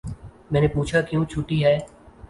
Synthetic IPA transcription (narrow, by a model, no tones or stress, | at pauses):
mɛ̃ːnepuːt͡ʃʰakjõːt͡ʃʰʊʈiɦɛː